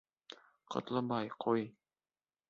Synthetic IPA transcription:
qɤ̰̆t̪lˠɤbɑjqʰoj

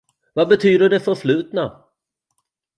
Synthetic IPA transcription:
vabɛt̪ʰyːd̪əɖɛfœɾflʉ̟ːt̪na

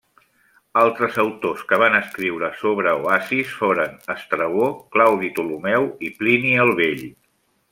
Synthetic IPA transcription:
alˠt̪ɾəzəwt̪oskəβ̞anəskɾiwɾəsoβ̞ɾəoasisfoɾənəst̪ɾəɣoklawðit̪ulumɛwipliniəlˠβeʎ

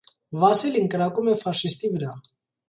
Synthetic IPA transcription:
vɑsilinkəɾɑkumɛfɑʃist̪ivəɾɑ

